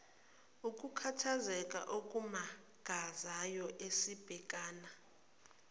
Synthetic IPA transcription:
ukʼukʰatʰazɛkʼa̰ʔokʼuma | ɡ̥ʱazajɔʔesib̥ʱɛk̬ʼaːna

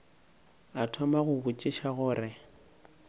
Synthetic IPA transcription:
atʰɔmaɣʊbʊt͡ʃʼɪʃaɣʊːɾɪ

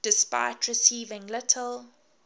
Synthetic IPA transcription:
d̥ɪspa̰ɪtʰɹɪsiːvɪ̃ŋlɪtʰəl

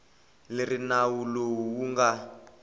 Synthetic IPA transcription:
lerinawulowuŋɡa

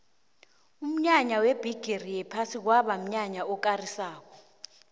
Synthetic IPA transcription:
um̩ɲaɲaweb̥ʱiɡ̥ʱerijɛpʰasik̬waɓam̩ɲaɲaɔkarisaːk̬ʰɔ

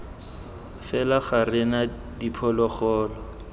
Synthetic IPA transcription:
fɛlaχarɪna | dipʰɔlɔχɔːlɔ

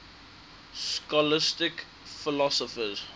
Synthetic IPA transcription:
skɔlɪstɪk | fɪlɔsɔfəz

